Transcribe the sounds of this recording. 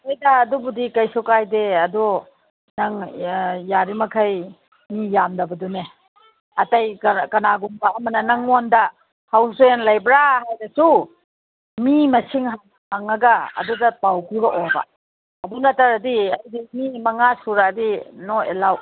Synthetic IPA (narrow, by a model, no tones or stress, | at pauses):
ajdɐːdubudikɐjsɔkajdeɐdɔ | nɐŋjaɾimɐkʰɐj | mijamdɐbɐdune | ɐtɐjkɐnaɡumbɐɐmɐnɐnɐŋondɐ | hawsenlɐjbɾahajdɐsu | mimɐsiŋɦaŋ | haŋɐɡɐɐ̰dudɐpawpuɾɐʔobɐ̰ | ɐbunɐtaɾɐdiɐjdimimɐŋasuɾadinoḛlaw